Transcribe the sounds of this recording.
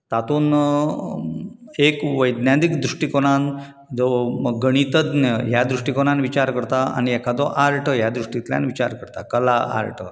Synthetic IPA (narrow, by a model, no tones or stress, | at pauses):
t̪at̪uːn | ekʋəjd̪njad̪ikd̪ɾuʂʈikoñan | d͡zɔməɡːəɽ̃it̪əd̪nəɦjad̪ɾuʂʈikoɽ̃anʋit͡ɕaɾkəɾt̪aa̰ñiɛkʰad͡z̪ɔʔaɾʈʰəjad̪ɾuʂʈit̪lja̰nʋit͡ɕaɾkəɾt̪a̰kəlaa̰ɾʈʰə